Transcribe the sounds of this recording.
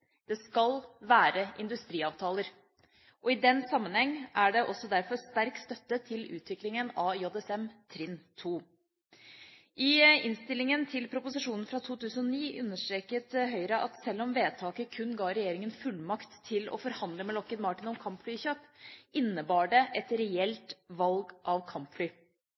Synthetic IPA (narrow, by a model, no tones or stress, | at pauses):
d̪̥ɛskɑlʋæːɾəʔɪnd̪ʉst̪ɾiːɑːʋt̪ʰɑːləɾ | ʔɔɪd̪ɛnːsɑmːənhɛŋːʔæɖɛʔɔsːɔd̪æɾfɔɾst̪æɾkst̪œt̪ːət̪ʰɪlʉ̰ːt̪ʋɪklɪŋənɑːɔd̪ɛsɛmt̪ʰɾɪnt̪ʰuː | ʔɪɪnst̪ɪlɪŋənt̪ʰɪlpʰɾʊpʊsɪʂuːnn̩fɾɑt̪ʰuːt̪ʰʉːsn̩ɔniːʔʉnːəʂʈɾeːkət̪ɦœʏɾɑʔɑt̪sɛlːɔmʋeːt̪ʰɑːkəkʰʉnɡɑːɾɛjeːɾɪŋənfʉlmɑkt̪ʰːɪlɔ̰fɔɾhɑnd̪ləmɛlɔkːənmɑʈɪnɔmkʰɑmpflyːçøːpʔɪnːəbɑːɖɛʔɛt̪ɾɛɛlt̪ʋɑlɡʔɑʋkʰɑmpflyː